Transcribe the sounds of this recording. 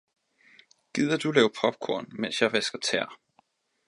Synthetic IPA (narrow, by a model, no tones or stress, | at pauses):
ɡ̥ið̰ˠɐd̥ulɛːʊpʰɒ̽b̥̚kʰoɐ̰nmen̰sjɑʋesɡ̥ɐt͡sʰɛ̰ɐ̰